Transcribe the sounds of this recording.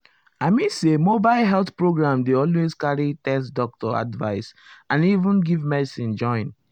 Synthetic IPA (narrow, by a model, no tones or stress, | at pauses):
aɪmĩnsemobaɪlɦɛlθpɹoɡɹãmdeɔlweskaɹitɛstdɔk̚tɔa̰dva̰ɪsãnivũnɡivmɛdsĩnd͡ʒɔ̃ɪ̃n